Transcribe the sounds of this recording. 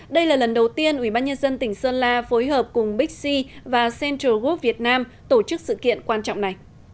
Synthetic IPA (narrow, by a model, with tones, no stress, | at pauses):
ɗə˧jlaː˨˩lə˨˩nɗə˨˩wt̪i˧ənʔwi˧˩ɓaː˧nɲə˧nzə˧nt̪ï˧˩ŋ̟səː˧nlaː˧fo˨˦jɦəː˨˩p̚kʊ˨˩ŋ͡mɓï˦˥k̟̚si˧vaː˨˩sɛ˧ntə˧ɣu˦˥p̚vi˨˩ət̚naː˧m | t̪o˧˩t͡ɕɨ˦˥k̚sɨ̰˧˨kḭ˧˨ənkwaː˧nt͡ɕɔ̰˧˨wŋ͡mna˨˩j